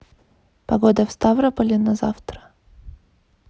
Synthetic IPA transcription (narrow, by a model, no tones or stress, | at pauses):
pɐɡod̪əfst̪avɾəpəlʲɪnɐza̰ft̪ɾə̥